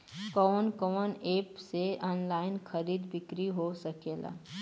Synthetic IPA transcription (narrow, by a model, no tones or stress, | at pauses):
kɔːnkɔməneːpseɔ̃ːnlaːɪnxɐɾiːd̪bɪkɾiɦosɐkeːla̰ː